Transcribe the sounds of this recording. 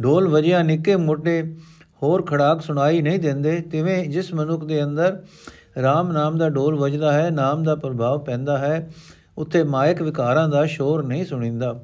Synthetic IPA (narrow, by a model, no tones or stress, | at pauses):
ɖoːlʋəd͡ʒɪjãːnɪkːeːmoːʈeː | hoːɾkʰəɽaːksʊɽ̃aːiːnəĩːd̪ɪ̃nd̪eːt̪ɪʋẽːd͡ʒɪsmənʊkʰd̪eːənd̪əɾ | ɾaːmnaːmd̪aːɖoːlʋəd͡ʒd̪aːɦɛːnaːmd̪aːpɾəbʱaːʋpɛ̃ːnd̪aːɦɛː | ʊt̪ʰːeːmaːjəkʋɪkaːɾãːd̪aːʃoːɾnəĩːsʊɽ̃ĩːnd̪aː